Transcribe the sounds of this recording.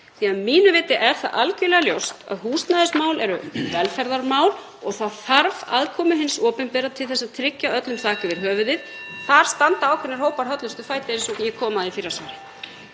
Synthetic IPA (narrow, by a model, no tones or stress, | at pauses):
θianmiːnʏvɪːt̪ɪʔɛɾ̥θaðʔalcʏlɛɣaljowst̪a̰ðɦuːst̪naðɪsmaːwlɛɾʏvɛlfɛɾðaɾmaːwl | ɔɣθaðθaɾva̰ðkʰɔːmʏɦɪnsɔːpʏnpɛːɾat̪ʰɪlθɛsːaðt̪ʰɾɪcːaœt̪lʏmθʰaːcɪvɪɾɦœːvʏðɪðθaɾ̥st̪ant̪aawkʰɛnɪɾ̥ɦoːwpaɾ̥ɦœt̪lʏst̪ʏfaːjt̪ɪɪnsɔjɛkʰɔːmaðifiɾasaːɾɪ